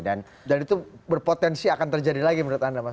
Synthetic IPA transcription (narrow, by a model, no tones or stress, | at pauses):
dan | danit̪ubərpot̪ɛnsiakant̪ərd͡ʒadilaɡiməɾuat̪andama